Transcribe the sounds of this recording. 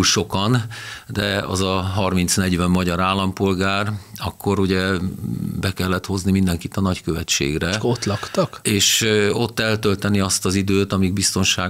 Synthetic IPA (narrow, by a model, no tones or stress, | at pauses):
ʃo̞kɒnd̪ɛɒ̰zɒɦɒrminsnɛɟʋɛmːɒɟɒɾaːlːɒmpo̞lɡaːrɒkːo̞ɾuɟɛ | bɛkɛlːɛt̪ho̞znimind̪ɛŋkit̪ɒnɒckøvɛtt͡ʃːḛːɡrɛot̪lɒkt̪ɒkeːʃo̞t̪ːɛlt̪ø̞lt̪ɛniɒst̪ɒzid̪øːt̪ɒmiɡ̚bist̪o̞nʃaː